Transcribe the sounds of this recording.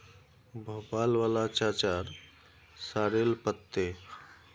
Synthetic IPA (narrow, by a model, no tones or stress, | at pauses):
bʱopaːlʋaːlat͡ʃaːt͡ʃaɾ | saːɾelpət̪ːe